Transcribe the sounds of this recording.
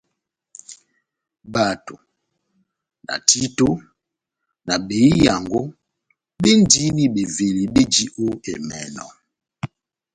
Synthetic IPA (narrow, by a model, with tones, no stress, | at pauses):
ba˨to˨ | na̰˨ti˦to˦ | na˨be˨i˦ja˨ŋɡo˦ | be˦n˦di˦ni˦ɓe˨ve˨li˨ɓe˦d͡ʒi˦ʔo˦ḛ˨mɛ̰˨nɔ̰˨